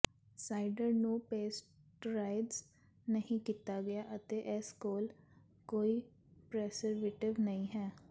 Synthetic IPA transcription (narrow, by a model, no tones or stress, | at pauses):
saːɪɖəɾnũːpeːsʈ | ɾaːɪɖz | nəɦĩːkiːt̪aːɡɪjaːʔət̪eːʔɛskoːl | koːiː | pɾɛːsəɾʋeːʈɪʋnəĩːɦɛː